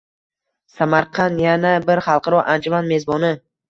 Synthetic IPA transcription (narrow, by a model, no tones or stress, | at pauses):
samaɾqʰɑnjanabɪɾχɑlˠqɑɾɒʔand͡ʒʊmanme̞zbɒnɪ